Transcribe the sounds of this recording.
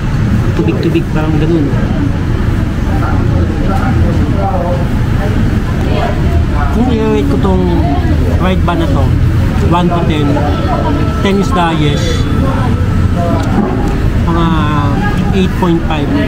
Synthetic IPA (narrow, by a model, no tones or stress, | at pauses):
t̪uːbɪɡ̚t̪uːbɪɡ̚paɾɐŋɡɐnon | kʊŋmɪnɛwɛjt̪̚kot̪oŋ | ɾajd̪̚banɐt̪o | want̪ut̪ɛn | t̪ɛnisd̪ajɛs | mɐŋa | ʔejt̪̚pojnt̪̚fajv